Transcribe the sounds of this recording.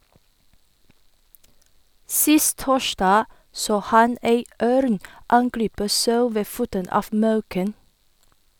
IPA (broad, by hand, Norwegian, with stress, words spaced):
ˈsɪst ˈtoːˌʃɖɑː ˈsoː ˈhɑn ˈeɪ ˈœɾn ˈɑŋˌɡɾiːpə ˈsɑʉ ˈʋeː ˈfuːtən ˈɑːf ˈmɑʉkən